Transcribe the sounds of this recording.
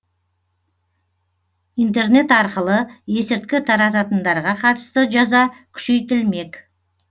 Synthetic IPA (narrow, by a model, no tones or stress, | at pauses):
ijnt̪̬e̞rne̞t̪ɑɾqəlˠəje̞sɪɾt̪kʲɪt̪ʰɑɾɑt̪ɑt̪ənd̪ɑɾʁɑqʰɑt̪ə̥st̪əʒɑzɑkʲʰʏ̥ʃe̞jt̪ɪlme̞kʲ